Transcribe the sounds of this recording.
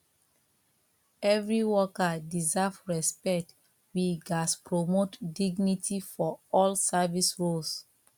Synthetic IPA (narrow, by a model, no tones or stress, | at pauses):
ɛvɹiwɔkadizavɹɛspɛk̚t | wiɡaspɹomotdiɡnitʰifɔɔlsavisɹols